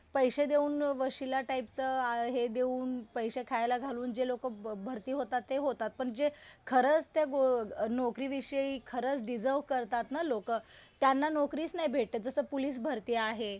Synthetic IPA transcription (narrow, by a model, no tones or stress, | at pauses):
pəjɕed̪euːnʋəɕilaʈaip̚t͡səaɦed̪euːnpəjɕekʰajlaɡʱaluːnd͡ʑelokəbʱəɾt̪iːɦot̪at̪ːeɦot̪at̪̚pəɳd͡ʑekʰəɾət͡st̪jaɡonokɾiːʋiɕəiːkʰəɾət͡sɖid͡zəɾʋkəɾt̪at̪nalokət̪janːanokɾiːt͡snaibʱeʈ̚t̪əd͡zəsəːpuliːs̬bʱəɾt̪iaɦe